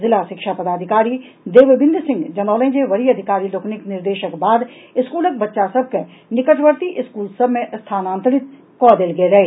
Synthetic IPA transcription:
zɪlaʃɪkʃapɐd̪aːd̪ʱɪkaːɾi | d̪eːʋbɪ̃nd̪ʱsɪ̃ŋɡd͡ʒɐ̃nɔːlẽːd͡ʒeʋɐɾiɐd̪ʱɪkaːɾiloːknɪknɪɾd̪eːʃəkbaːd̪ɪskuːlək̚bɐtːʃasɐb̚ʱke | nɪkəʈʋəɾt̪iʔɪskuːlsɐbʱmẽst̪ʰaːnãːnt̪əɾɪt̪̚ | kɔːd̪elɡɐeɾɐɦe

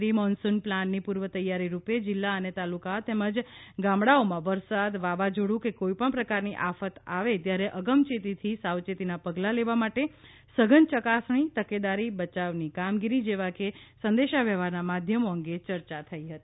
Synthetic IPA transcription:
ɾimɔnsunplanːipuɾʋət̪əjːaɾiɾuped͡ʒɪlːaənet̪alukat̪eməd͡ʒɡãmɽaomãʋəɾsad̪ʋaʋad͡ʒoɽũkekoipəɳpɾəkaɾniʔafət̪aʋet̪jaɾeʔəɡəmt͡ʃet̪it̪ʰisawt͡ʃet̪inapəɡlaleʋamaʈe | səɡənt͡ʃəkasɳ̃it̪əked̪aɾibət͡ʃaʋnikamɡiɾid͡ʒeʋakesə̃nd̪eʃaʋjəʋaɾnamad̪ʱjəmoəŋɡet͡ʃəɾt͡ʃat̪ʰəiɦət̪i

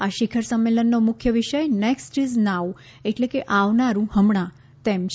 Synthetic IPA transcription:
aʃikʰəɾsəmːelənːomʊkʰjəʋiʃəjneksʈt͡ʃiznaʋ | eʈlekeʔaʋnaɾũhəmɳã | t̪emt͡ʃʰ

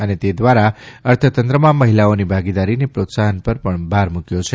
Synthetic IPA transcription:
ənet̪ed̪ʋaɾaəɾt̪ʰət̪ənt̪ɾəmaməɦilaonibʱaɡid̪aɾinepɾot̪saɦənpəɾpəɳbʱaɾmukjot͡ʃʰe

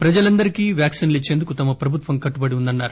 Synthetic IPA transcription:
pɾɐd͡ʒɐlɐnd̪ɐɾikiːʋjaːksinlit͡ʃːend̪ukut̪ɐmɐpɾɐbʱut̪ʋɐmkɐʈːubɐɽiund̪ɐnːaːɾu

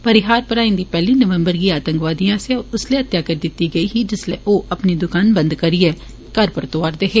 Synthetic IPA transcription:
pəɾɪɦaːɾpəɾaːĩnd̪iːpɛːliːnəʋə̃mbəɾɡiːaːt̪ə̃ŋkʋaːd̪iãːsaʊsleːət̪jaːkəɾd̪ɪt̪ːiːɡəiːɦiːd͡ʒɪsleːʔoːʔəpniːd̪ʊkaːnbə̃nd̪kəɾiːɛː | kəɾpəɾt̪oaːɾd̪eːɦeː

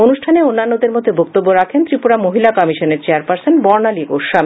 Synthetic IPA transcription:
onuʃʈʰaneonːanːod̪eɾmot̪ebok̚t̪obːoɾakʰent̪ɾipuɽamoɦilakɔmiʃoneɾt͡ɕeaɾpaɾsenbɔɾnaliɡoʃam

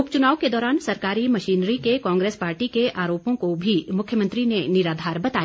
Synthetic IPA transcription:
ʊpt͡ʃʊnaːwked̪ɔːɾaːnsɐɾkaːɾimɐʃiːnɾikekɔ̃ːŋɡɾeːspaːɾʈikeaːɾoːpõkobʱimʊkʰjəmə̃nt̪ɾinenɪɾaːd̪ʱaːɾbɐt̪aːja

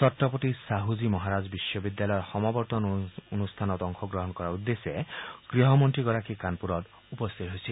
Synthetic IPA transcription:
t͡ʃɔɾʈːɔpot̪isaɦud͡ʒimɔɦaɾad͡zɔbisjɔbid̪jalɔɔɾxɔmabɔɾt̪ɔnunust̪ʰanɔt̪ɔŋkʰɔɡɾɔɦɔnɔkɔɾaɾud̪ːeseɡ̥ɾiɦɔmɔnt̪ɾiɡɔɾakikanpuɾɔt | upɔst̪ʰit̪ɦojsʰi

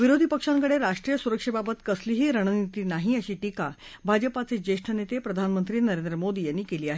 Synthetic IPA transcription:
ʋiɾod̪ʱipəkʂãŋkəɽeɾaʂʈɾiːjəsuɾəkʂəbabət̪kəsliːɦiːɾəɽ̃ənit̪iːnaɦiəɕiːʈikabʱad͡ʑəpat͡sed͡ʑeʂʈʰənet̪epɾəd̪ʱanmənt̪ɾiːnəɾend̪ɾəmod̪iːjanːiːkeliːaɦe

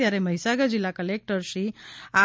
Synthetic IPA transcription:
jaɾeməɦisaɡəd͡ʒilːakəlek̚ʈəɾʃia

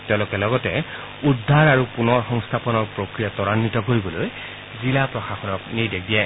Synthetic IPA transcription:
tɛʊ̃lʊkɛlɔɡɔtɛ | udʱːaɹaɹupunɔɹxɔŋstʰapɔnɔɹpɹokɹijatɔɹanːitɔɦoɹibɔloj | zilapɹɔxaxɔnɔknidek̚dijɛ

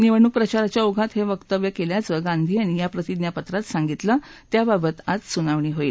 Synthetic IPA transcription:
niʋəɳuk̚pɾət͡ɕaɾat͡ɕjauɡʱat̪ɦeʋəkt̪əʋjəkeljat͡sʋəɡãnd̪ʱiːaɽ̃ijapɾət̪id̪njapət̪ɾat̪saŋɡit̪lət̪jababət̪ad͡zsunaʋɳiːɦoiːl

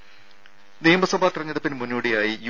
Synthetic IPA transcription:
nijɐmbɐsɐbʱaːt̪irɐɲːɐðɨpːinmunːuːɽijaːjij

